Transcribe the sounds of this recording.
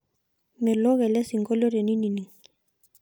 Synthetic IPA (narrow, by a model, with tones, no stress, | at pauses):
mɛ˨lɔ˦ɣɛ˨lɛ˦si˨ŋɡɔ˦lɔ˦ɾe˨ni˦ni˨ni˨ŋ